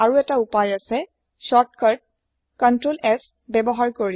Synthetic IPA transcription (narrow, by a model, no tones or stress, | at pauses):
aɹuɛtaupajasɛ | sɔtkaɹd̚ | kɔntɹolɛs | bɛbɔɦaɹkoɹi